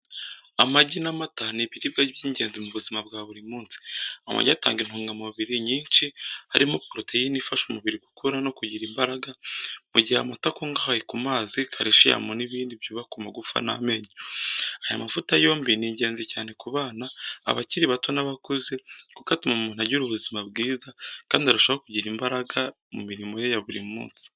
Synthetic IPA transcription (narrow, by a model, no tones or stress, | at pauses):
amaɟinamataniβiɾib̚ɡabjiːɲɟe̞ːnzimuβuzimabɡaːβuɾimuːnsi̥ama̰ɟiata̰ːŋɡin̥huːŋɡamuβiɾiɲiːnʃiha̰ɾimopɾotejinifaʃomuβiɾiɡukuɾano̞kuɟiɾimbaɾaɡamuɟihaamatakoŋɡahajekumaːzikʰaɾiʃija̰moniβiːndiβjuβakumaɡufa̰na̰me̞ɲoaja̰mafutajo̞ːmbiniːɲɟe̞ːnzecaːne̞kuβaːna̰ːβa̰ciɾiβatonaβakuzekukatimumuːn̥haɟuɾuβuzimab̚ɡiːzakaːndihaɾaʃoβakuɟiɾimbaɾaɡa | mṵmiɾimo̞jejaβuɾḭmṵːnsi̥